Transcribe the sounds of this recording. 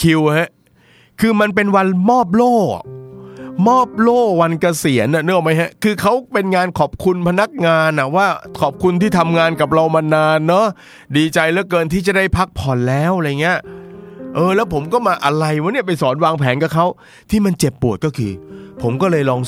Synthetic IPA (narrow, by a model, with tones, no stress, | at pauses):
kʰi˧wha˦˥ʔ | kʰɯː˧ma˧np̬e˧nwa˧nmɔː˥˩p̬̚lo̰ː˥˩ | mɔː˥˩p̚loː˥˩wa˧nka˧si˨˩˦ənʔa˨˩nɯ˥˩əŋma˦˥jɦa˦˥ʔkʰɯː˧kʰa˦˥wpe˧nŋaː˧nkʰɔː˨˩p̚kʰu˧npʰa˧na˦˥k̚ŋaː˧nʔa˨˩waː˥˩kʰɔː˨˩p̚kʰu˧nt̪ʰiː˥˩t̪ʰa˧mŋaː˧nka˨˩p̚ɾa˧wma˧naː˧nːɔ˦˥ | diː˧t͡ɕa˧jlɛ˦˥kɤː˧nt̪ʰiː˥˩t͡ɕa˨˩da˥˩jpʰa˦˥k̚pʰɔ˨˩nlɛː˦˥wɾa˧jŋi˦˥ɐ | ʔɤː˧lɛː˦˥wpʰo˩˦mkɔː˥˩maː˧ʔa˧ɾa˧jwa˦˥ni˥˩ɐp̬a˧jsɔː˩˦nwaː˧ŋpʰɛː˩˦nka˨˩kʰa˦˥w | t̪ʰiː˥˩ma˧nt͡ɕe˨˩pːu˨˩ət̪̚kɔː˥˩kʰɯː˧pʰo˩˦mkɔː˥˩lɤː˧jlɔː˧ŋ